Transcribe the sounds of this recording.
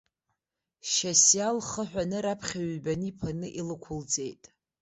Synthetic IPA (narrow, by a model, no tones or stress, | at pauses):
ʃasjalχəħʷᶣanɨɾapʰχʲaɥbanipʰanɨʔilɨkʷʰʊld͡ze̞jtʼ